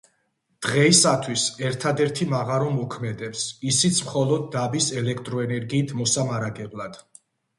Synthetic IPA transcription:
d̪̥ʁɛisat̪ʰwisɛɾt̪ʰad̪ɛɾt̪ʰimaʁaɾɔmɔkʰmɛd̪ɛpsisit̪sʰmχɔlˠɔd̪̚ːabisɛlɛk̚ʰt̪ʼɾɔɛnɛɾɡiːt̪ʰmɔsamaɾaɡɛblˠad̪̥

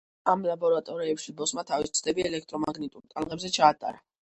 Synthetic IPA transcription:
amlabɔɾat̪ʼɔɾiɛpʃibɔsmat̪ʰavist̪sʰd̪ɛbiɛlɛk̚ʰt̪ʼɾɔmaɡnit̪ʼuɾt̪ʼalˠʁɛbzɛt͡ʃʰaːt̪ʼa̰ɾa

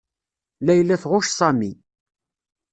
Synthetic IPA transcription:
læjlːæθʁʊʃsˤæmi

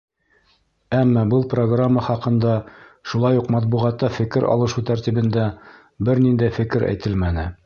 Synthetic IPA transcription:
æmːɑbɤlˠpro̞ɡramːɑχɑqɤ̆nd̪ɑʃulˠɑjuqmɑt̪̚buʁɑt̪ːɑfɘ̆kɘɾʔɒ̰lˠɤ̆ʃut̪æɾt̪iβɘ̆nd̪æ | bɘɾnind̪æjfɘ̆kɘɾæ̰jt̪ɘlmænɘ

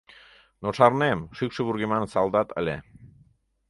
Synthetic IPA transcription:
noʃɑrnemʃykʃə̆βuɾɣemɑnsɑlˠd̪ɑt̪ə̰̆lʲḛ

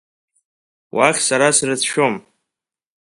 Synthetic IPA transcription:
wʔaχʲsaɾasrɨt͡sʰʃo̞m

